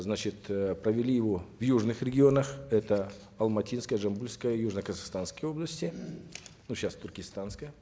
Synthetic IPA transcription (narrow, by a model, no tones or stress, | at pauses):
znat͡ɕɪt̪pɾəvʲɪlʲijɪvovjuʐnɨxɾʲɪɡʲɪo̞nəxɛt̪ə | ɐlˠmɐtʲinskəjəʐɐmbulʲskəjəjuʐnəkəzaxst̪anskəjəo̞blˠəsʲtʲɪ | nuɕast̪ʊrkʲɪst̪anskəjə